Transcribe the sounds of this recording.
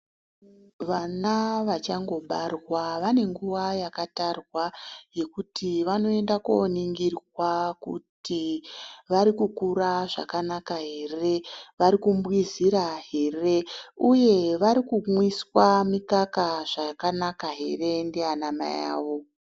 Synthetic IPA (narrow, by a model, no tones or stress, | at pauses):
ʋanaʋat͡ʃaŋɡo̞ɓarwaʋane̞ŋɡuʋajakatarwaje̞kutiʋano̞e̞ndako̰niŋɡirwakṵtiʋaɾikukuɾaʐa̰kanakaɦe̞re̞ʋaɾikumbwiziɾaɦe̞re̞uje̞ʋaɾikumwiswamikakaʐ̥akanakaɦe̞re̞ndeanama̰ja̰ːʋo̞